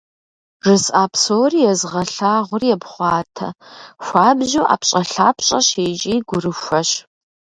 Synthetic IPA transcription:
ʐɨsʼʔaːpʰsoːriːjɛzʁɐɬaːʁʷʊrjɛbχʷɑːtʰɐ̰xʷaːbʑuːʔa̰ːpɕʼɐɬaːpʰɕʼɐɕeːt͡ʃʼiːɡʷʊrɨxʷɐɕ

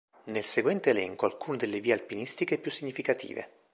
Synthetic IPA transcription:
nelseɡwɛnt̪eːlɛŋkoalkuːned̪elːeviːealpinist̪ikepjusːiɲːifikat̪ḭːvḛ

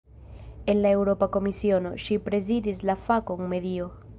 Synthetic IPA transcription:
enlaewɾopakomisjonoʃipɾeziðizlafakoŋmeðio

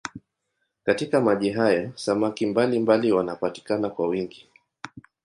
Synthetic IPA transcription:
katikamaʄiɦajɔsamakimbalimbaliwanapati̥kanakwawiŋɡi

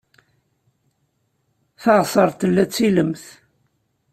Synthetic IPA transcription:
θɑʁsˤəɾˤt̪əlːæt͡sːiləmθ

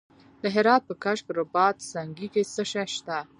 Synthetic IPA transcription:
d̪əɦɪɾɑt̪̚pəkaʃkɾʊbɑt̪saŋɡikesəʃaʃt̪a

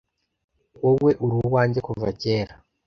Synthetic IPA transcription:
wowe̞ʔuɾuwaːɲɟekuvace̞ːɾa

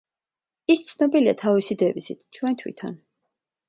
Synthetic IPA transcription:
ist̪sʰnɔbilia̰t̪ʰavisid̪ɛvisḭt̪ʰt͡ʃʰwɛnt̪ʰwḭt̪ʰa̰n

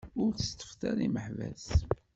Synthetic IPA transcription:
ʊɾθə̥st̪ːə̥fθæɾiməħvæ̰s

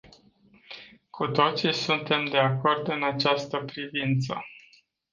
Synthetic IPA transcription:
kʰut̪o̞t̪sisunt̪e̞md̪e̞ako̞rd̪ɨnat͡ʃast̪əpɾivint̪sə̰

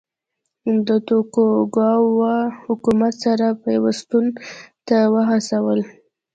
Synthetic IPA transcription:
d̪ət̪okoɡɑwahʊkumat̪saɾapəjawast̪unt̪awəɦasawəl

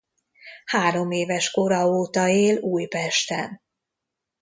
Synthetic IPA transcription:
haːɾo̞meːvɛʃko̞ɾɒoːt̪ɒeːluːjpɛʃt̪ɛn

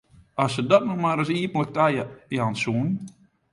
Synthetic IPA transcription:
ɔsədɔtnɔmaɾəsiəpənlək̚tajjansuən

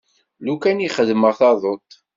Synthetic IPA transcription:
lukæniχəðməʁθɑðˤot̪ˤ

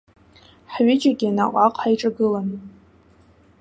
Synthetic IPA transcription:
ħɥɪd͡ʒaɡʲiana̰qʷʼaqʷʰʼħajʈ͡ʂʼaɡɨlan

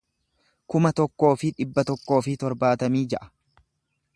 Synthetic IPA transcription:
kʊmɐt̪ɔkːo̞ːfɪᶑɪbːɐt̪ɔkːo̞ːfɪt̪ɔɾbaːt̪ɐmiːd͡ʒɛʔɐ̥

